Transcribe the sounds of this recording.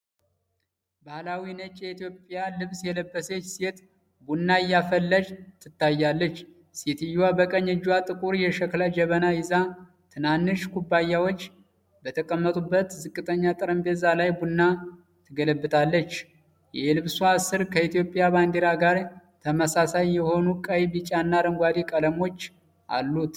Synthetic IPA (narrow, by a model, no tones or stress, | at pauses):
bahlawinət͡ʃʼjɛit̪ijo̞pʼjalɨβsjɛləbːəset͡ʃːset̪ | bunːaɪjːafəlːəd͡ʒt̪ʰɨt̪ʰːajːalːət͡ʃː | set̪ʰɨjːwabəkʼəɲːəd͡ʒːwat̪ʼɨkʼuɾjɛʃəklad͡ʒɛβənajɪza | t̪ʰɨnanːɨʃkʰubːajːawo̞t͡ʃː | bət̪ʰəkʼəmːət̪ʼubːət̪zɨkʼːɨt̪ʼəɲːat̪ʼɨɾəmbezalajbunːa | t̪ʰɨɡələbːɨt̪ʰalːət͡ʃː | jɛlɨβsuasɨɾkʰəit̪ijo̞pʼːjaband̪eɾaɡaɾt̪ʰəməsasajːɛho̞nukʼəjbit͡ʃʼanːaɾəŋɡʷad̪ikʼələmo̞t͡ʃː | ʔa̰lːut̪